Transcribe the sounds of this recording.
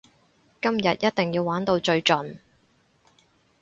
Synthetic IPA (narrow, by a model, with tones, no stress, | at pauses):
kɐ˥mjɐ˨t̚jɐ˥t̚t̪ɪ˨ŋjiː˧waː˨˥nt̪o˧wt͡ʃɵ˧ɥt͡ʃɵ˨n